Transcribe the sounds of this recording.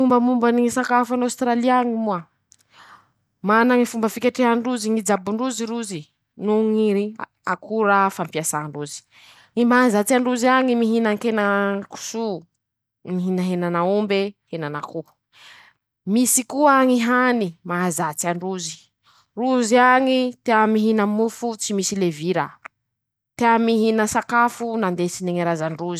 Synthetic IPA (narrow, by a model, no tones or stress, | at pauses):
umbəmumbaniŋisakafanawst̪ɾaliaŋimua | manaŋifumbəfikʲeʈ͡ʂiɦaɳɖ͡ʐuziŋid͡zabuɳɖ͡ʐuziɾuzi | nuŋiɾi | akuɾafampiasaɳɖ͡ʐuzi̥ | ŋimaazat͡siaɳɖ͡ʐuziaŋimiɦinaŋkenaku̥su | miɦinəɦenanaumbehenanaku | misikuaŋiɦanimaɦazat͡siaɳɖ͡ʐuzi̥ | ruziaŋit̪eamiɦinəmufut͡simisileviɾa | t̪eamiɦinəsakafunand̪esineŋiɾazaɳɖ͡ʐuzi̥